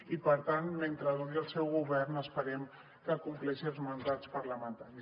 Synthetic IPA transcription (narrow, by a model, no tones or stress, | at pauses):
ipəɾt̪anment̪ɾəðoəlˠsɛwɣuβɛrnəspəɾɛm | kəːkumplɛʃiəlˠzmənd̪at͡spəɾləmənt̪aɾi